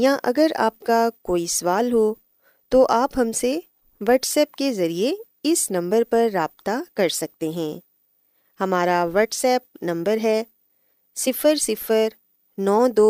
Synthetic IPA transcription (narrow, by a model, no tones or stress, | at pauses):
jãːʔɐ̰ɡəɾa̰ːp̚kakoːisɐʋaːlɦo | t̪oʔaːpɦɐmse | ʋɐːʈsɛːpkezɐɾie | ɪsnɐ̃mbəɾpɐɾːaːbt̪akɐɾsɐk̚t̪eɦɛ̃ː | hɐmaːɾaʋɐːʈsɛːp̚nɐ̃mbəɾɦɛː | sɪfəɾsɪfəɾ | nɔːd̪oː